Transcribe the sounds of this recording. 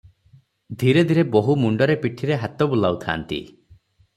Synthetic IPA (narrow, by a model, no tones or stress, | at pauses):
d̪ʱiɾed̪ʱiɾeboɦumuɳɖɔɾepiʈʰiɾeɦat̪ɔbulawt̪ʰa̰ːnt̪ḭ